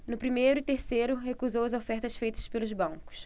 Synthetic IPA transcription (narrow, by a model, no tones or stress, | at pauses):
nʊpɾimejɾʊɪt̪eɾsejɾʊɦekuzowɐzofɛɾt̪ɐsfejt̪ɐ̥spelʊzbɐ̃ŋkʊ̥s